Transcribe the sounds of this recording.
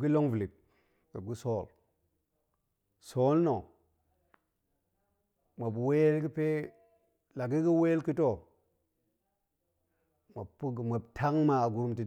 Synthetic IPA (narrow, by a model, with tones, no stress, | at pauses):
ɡi˦lo˦ŋvi˨li˨b̚ | ɡə˨bɡu˦so˦˨l | so˦lno˨ | ma˨bwe˦lɡi˦pe˦ | la˨ɡi˦ɡi˦we˦lki˦to˦ | ma˨pu˦˨ma˨btʰa˦ŋma˨ɡu˨ɾti˨